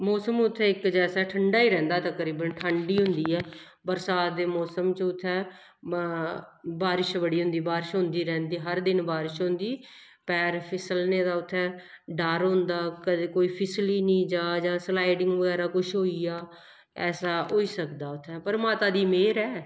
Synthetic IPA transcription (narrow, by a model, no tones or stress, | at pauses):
mɔːsəmʊt̪ʰːɛ̃ːɪkd͡ʒɛːsaːʈʰəɳɖaːiːɾɛ̃ːnd̪aːt̪ə̃kəɾiːbənʈʰəɳɖiːɦʊ̃nd̪iːɛː | bəɾsaːt̪̚d̪eːmɔːsəmt͡ʃʊt̪ʰːɛ̃ː | baːɾɪʃbəɽiːɦʊ̃nd̪iːbaːɾɪʃɦʊ̃nd̪iːɾɛ̃ːnd̪iːɦəɾd̪ɪnbaːɾɪʃɦʊ̃nd̪iː | pɛːɾpʰɪsəlnẽːd̪aːʊt̪ʰːɛ̃ː | ɖəɾɦʊ̃nd̪aːkəd̪eːkoːiːpʰɪsliːnĩːd͡ʒaːd͡ʒãːslaːɪɖɪŋɡʋəɡɛːɾaːkʊʃɦoːiːaː | ɛːsaːɦoːiːsəkd̪aːʊt̪ʰːɛ̃ːpəɾəmaːt̪aːd̪iːmeːɾɛː